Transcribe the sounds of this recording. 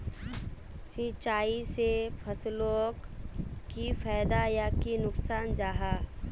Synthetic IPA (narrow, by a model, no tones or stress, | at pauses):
sit͡ʃaːisepʰəsloːkː | ifʰɛːd̪ajakinʊksaːnd͡ʒaːɦaː